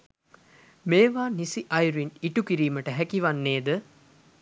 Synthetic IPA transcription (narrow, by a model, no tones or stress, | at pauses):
meːʋaːnisiʔɐjɾuiɳiʈukiɾiːməʈəɦækiʋanːeːd̪ə